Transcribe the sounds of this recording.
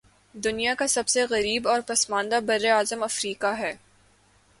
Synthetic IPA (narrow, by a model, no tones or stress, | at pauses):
d̪ʊnijakasɐbseɣɐɾiːbɔːɾpɐsmãːnd̪abɐɾːeaːzəmɐfɾiːkaɦɛː